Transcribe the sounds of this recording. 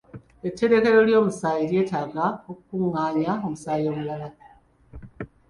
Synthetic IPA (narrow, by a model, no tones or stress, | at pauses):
etʰːe̞ɾe̞ke̞ɾo̞ljo̞ːmusaːjilje̞ːtaɡaokukuŋːaːɲaomusaːijo̞ːmulala